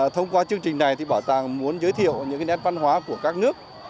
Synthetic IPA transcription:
t̪ʰə˧wŋ͡mkwaː˧t͡ɕɨ˧əŋt͡ɕï˨˩ŋ̟na˨˩jt̪ʰi˨˩ɓaː˧˩t̪aː˨˩ŋmu˨˦ənzəː˨˦jt̪ʰḭ˧˨əwɲɨ̰˧˥ka˨˦nɛ˦˥t̚va˧nhwaː˨˦ku˧˩əkaː˦˥k̚nɨ˦˥ək̚

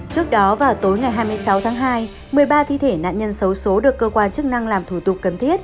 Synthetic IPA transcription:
t͡ɕɨ˦˥ək̚ɗɔ˨˦vaː˨˩wt̪o˨˦jŋa˨˩jɦaː˧jmɨ˧əjsa˨˦wt̪ʰaː˨˦ŋɦaː˧j | mɨ˨˩əjɓaː˧t̪ʰḭ˧˨t̪ʰe˧˩na̰ː˧˨nɲə˧nsə˨˦wso˨˦ɗɨ˨˩əkːəː˧kwaː˧nt͡ɕɨ˦˥k̚na˧ŋlaː˨˩mt̪ʰu˧˩t̪ʊ˨˩k͡pk̚ːə˨˩nt̪ʰi˦˥ət̚

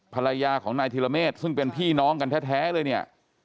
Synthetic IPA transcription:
pʰa˧la˧jaː˧kʰɔː˩˦ŋnaː˧jt̪ʰi˧la˧meː˥˩t̪̚sɯ˥˩ŋpe˧npʰiː˥˩nɔː˦˥ŋka˧nt̪ʰɛː˦˥t̪ʰɛː˦˥lɤː˧jni˥˩ɐ

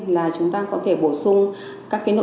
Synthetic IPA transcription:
laː˨˩t͡ɕʊ˨˦ŋ͡mt̪aː˧kɔ˨˦t̪ʰe˧˩ɓo˧˩sʊ˧ŋ͡m | kaː˦˥kːno̰˧˨

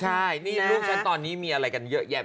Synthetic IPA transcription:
t͡ɕʰa˥˩jniː˥˩luː˥˩k̚t͡ɕʰa˦˥nt̪ɔː˧nːiː˦˥miː˧ʔa˧ɾa˧jka˧njɤ˦˥ʔjɛ˥˩

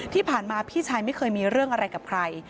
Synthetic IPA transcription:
t̪ʰiː˥˩pʰaː˨˩nmaː˧pʰiː˥˩t͡ɕʰaː˧jma˥˩kʰɤː˧jmiː˧ɾɯ˥˩əŋʔa˧ɾa˧jkaː˨˩p̚kʰɾa˧j

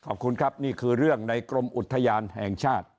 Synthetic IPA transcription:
kʰɔː˨˩p̚kʰu˧nkʰɾa˦˥p̚niː˥˩kʰɯː˧ɾɯ˥˩əŋna˧jkɾo˧mʔu˨˩t̪ʰːa˧jaː˧nhɛ˨˩ŋt͡ɕʰaː˥˩t̪̚

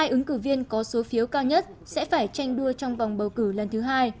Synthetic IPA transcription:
aː˧jʔɨ˨˦ŋkɨ˧˩vi˧ənkɔ˨˦so˨˦fi˨˦əwkaː˧wɲə˦˥t̚ | sɛ̰˧˥faː˧˩jt͡ɕa˧jŋ̟ɗu˧ət͡ɕɔ˧wŋ͡mvwŋ͡mɓə˨˩wkɨ˧˩lə˨˩nt̪ʰɨ˨˦ɦaː˧j

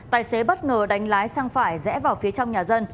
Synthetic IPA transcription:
t̪aː˨˩jse˨˦ɓə˦˥t̚ŋəː˨˩ɗa˨˦jŋ̟laː˨˦jsaː˧ŋfaː˧˩jzɛ̰˧˥vaː˨˩wfi˨˦ət͡ɕɔ˧wŋ͡mɲaː˨˩zə˧n

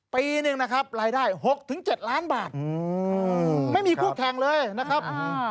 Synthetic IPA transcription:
piː˧nɯ˧ŋna˦˥kʰa˦˥p̚ɾaː˧jdaː˥˩jɦo˨˩k̚t̪ʰɯ˨˩˦ŋt͡ɕe˨˩t̪̚laː˦˥nbaː˨˩t̪̚ː | ma˥˩jmiː˧kʰuː˥˩kʰɛː˧ŋlɤː˧jna˦˥kʰa˦˥p̚ː

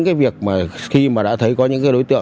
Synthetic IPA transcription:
ŋkaː˨˦jvi˨˩ək̚maː˨˩xi˧maː˨˩ɗa̰ː˧˥˩t̪ʰə˨˦jkɔ˨˦ɲɨ̰˧˥ŋk̬aː˨˦jɗo˨˦jt̪ɨ̰˧˨

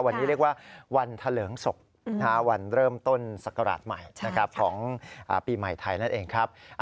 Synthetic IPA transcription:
wa˧nːi˦˥ɾi˥˩ək̚waː˥˩wa˧nt̪ʰa˧lɤː˩˦ŋso˨˩k̚ | kʰa˦˥wa˧nɾɤː˥˩mt̪o˥˩nsa˨˩kːa˧ɾa̰ː˨˩t̪̚ma˨˩jna˦˥kʰa˦˥p̚kʰɔː˩˦ŋʔa̰ː˨˩piː˧ma˨˩jt̪ʰa˧jna˥˩nʔeː˧ŋkʰɾa˦˥p̚ʔ

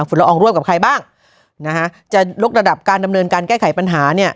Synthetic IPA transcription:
fu˨˩˦nla˧ʔɔː˧ŋɾu˥˩əmka˨˩p̚kʰa˧jbaː˥˩ŋ | na˦˥kʰa˦˥ʔt͡ɕa˨˩jo˦˥k̚ɾa˧da˨˩p̚kaː˧nda˧mnɤː˧nkaː˧nkɛː˥˩jkʰa˩˦jpa˧nɦaː˩˦ni˥˩ɐ

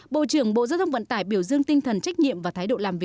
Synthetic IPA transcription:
ɓo̰˧˨t͡ɕɨ˧˩əŋɓo̰˧˨zaː˧wt̪ʰə˧wŋ͡mvə̰˧˨nt̪aː˧˩jɓi˧˩əwzɨ˧əŋt̪ï˧ŋt̪ʰə˨˩nt͡ɕa˦˥k̟̚ɲḭ˧˨mvaː˨˩t̪ʰaː˨˦jɗo̰˧˨laː˨˩mvi˨˩

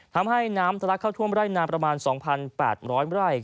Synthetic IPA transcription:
t̪ʰa˧mɦa˥˩jnaː˦˥mt̪ʰa˧la˦˥kʰːa˥˩t̪ʰu˥˩əmɾaː˥˩jnaː˧˥mpɾa˧maː˧nsɔː˩˦ŋpʰa˧npɛ̰ː˨˩t̪̚ɾɔː˦˥jɾa˥˩j

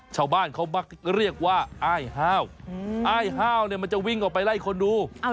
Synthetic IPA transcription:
t͡ɕʰaː˧˩wbaː˧˥˩nkʰa˦˥wma˦˥˩k̚ɾi˥˩ək̚waː˥˩ʔaː˧˥˩jɦaː˥˩wʔaː˥˩jɦaː˥˩wni˥˩˨ma˧nt͡ɕa˨wi˥˩ŋʔɔː˨˩pa˧jlaː˧˥˩kʰo˧nduː˧

